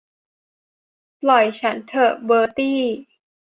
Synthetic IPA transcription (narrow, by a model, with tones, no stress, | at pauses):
plɔ˨˩jt͡ɕʰa˦˥nt̪ʰɤː˨˩bɤː˧t̪iː˥˩